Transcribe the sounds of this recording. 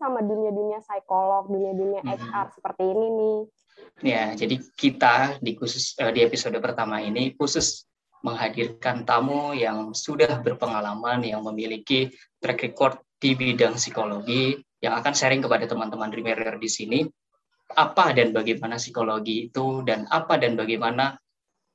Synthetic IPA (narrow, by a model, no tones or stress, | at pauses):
samaduniaduniasajkolɔk̚duniaduniaat͡ʃkarsə̥pərt̪iːninɪ | jad͡ʒadikit̪adikusʊsədiepisodəpərt̪amainikusʊs | məŋɦadirkant̪amujaŋsudahbərpəŋalamanjaŋməmiliki | t̪ɾɛkɾikɔrt̪ːdibidaŋsikoloɡijaŋakansəɾɪŋkəpadat̪əmant̪əmanrimeɾɛrdisini | apadanbaɡajmanasikoloɡiːt̪udanapadanbaɡajmana